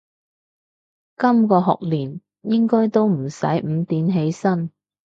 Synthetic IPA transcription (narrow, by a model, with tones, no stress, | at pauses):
kɐ˥mkɔː˧ɦɔ̰ː˨k̚liː˨˩n | jɪ˥ŋkɔː˥jt̪o˥wm̩˨˩sɐ̰˨˥jm̩˨˧t̪iː˨nɦe˨˧jsɐ˥n